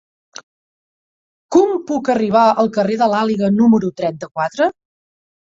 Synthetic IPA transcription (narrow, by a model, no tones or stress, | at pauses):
kɔmpukəriβ̞aʔəlˠkəreðəlaliɣənuməɾut̪ɾɛnt̪əkwat̪ɾə